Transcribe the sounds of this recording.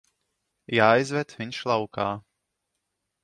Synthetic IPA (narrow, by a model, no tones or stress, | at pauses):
jaːjzvɛt̪viɲʃlˠawkaː